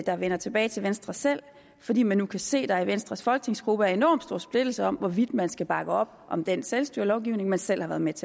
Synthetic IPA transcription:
d̥ɑ̈ʋenɐt͡sʰe̝b̥ɛːɪt͡sʰe̝lʋensd̥ʁɐsel̰ | fɒd̥ḭːmænːukʰæse̝̰ːd̥ɑ̈iʋensd̥ʁɑsfɒ̽lɡ̥ə̥t͡sʰe̝ŋsɡ̥ʁub̥əæɐe̝nɒ̰md̥sd̥o̝ɐ̰sb̥le̝d̥l̩səɒ̽mʋɒʋid̥mænsɡ̥æb̥ɑ̈ɡ̥əɒ̽b̥̚ʔɒ̽md̥enselsd̥yɐlɒʊɡ̥iʊne̝ŋmænsel̰hɑʋæːɐðˠmet͡sʰe

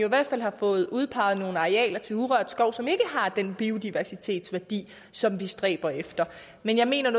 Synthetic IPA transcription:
oiʋæɐ̰d̥fæl̰hɑ̈fɔ̽ːð̞̩ˠuð̞ˠpʰɑ̈ɪð̞̩ˠno̝ːn̩ɑ̈ʁeɛ̰ːlɐt͡sʰe̝lhuʁœɐ̰d̥sɡ̥ɒʊ̰sɒ̽me̝ɡ̥əɦɑ̈d̥enb̥io̝d̥iʋæɐsit͡sʰe̝̰ːd̥sʋæɐd̥ḭː | sɒ̽mʋisd̥ʁɛ̰ːb̥ɐefd̥ɐ | menjɑ̈ɪme̝̰ːnɐnɔ

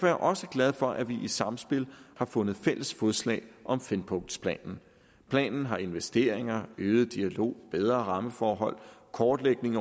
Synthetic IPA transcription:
fɒjæʔɒ̽səɡ̥læð̞ˠfɒ̽ʔæʋiʔisɑ̈msb̥e̝lhɑ̈fɔ̽nð̞̩ˠfel̰əsfɒðˠslɛ̰ːɪʔɒ̽mfenpʰɔ̽ŋd̥spʰlɛ̰ːnn̩ | pʰlɛ̰ːnn̩ɦɑ̈e̝nʋesd̥e̝̰ːɐ̰e̝ŋɐøːð̞̩ˠd̥iælo̝̰ːb̥eð̞ˠʁɐʁɑ̈məfɒːɦɒ̽l̰kʰɒːd̥leɡ̥ne̝ŋ

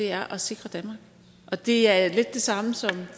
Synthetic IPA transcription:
e̝æɐʔɒse̝ɡ̥ʁɐd̥ænmɑ̈ːɡ̥ | ʔɒ̽d̥e̝æɐle̝d̥ːe̝sɑ̈məsɒ̽m

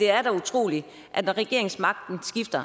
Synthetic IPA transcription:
e̝æɐɾ̥ɑut͡sʰʁo̝̰ːli | ʔæ̥ʁɛɡ̥e̝ɐeŋsmɑ̈ɡ̥̚d̥n̩sɡ̥ifd̥ɐ

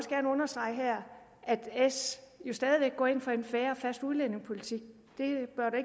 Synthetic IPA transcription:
ɒsɡ̥æɐnəɔ̽nɐsd̥ʁɑ̈ɪ̰ɦæɐ̰ | ʔæd̥esjo̝sd̥ɛːð̞ˠiʋeɡ̥̚ːɒ̰ːe̝n̰fɒ̽e̝nfæːɐɒ̽fæsd̥uðˠlene̝ŋspʰo̝lit͡sʰiɡ̥̚ | d̥e̝b̥ɶɐɾue̝ɡ

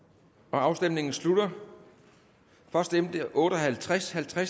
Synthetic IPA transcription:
ɒ̽ɑ̈ʊsd̥emne̝ŋn̩slud̥ɐ | fɶɐsd̥emd̥əʔɔ̽ːɾ̥ɒɦælt͡sʰʁashælt͡sʰʁa

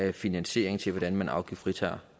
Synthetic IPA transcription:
finænɕe̝̰ɐ̰eŋt͡sʰe̝lʋɒd̥ænmænʔɑ̈ʊɡ̥ḭfʁit͡sʰæːɐ

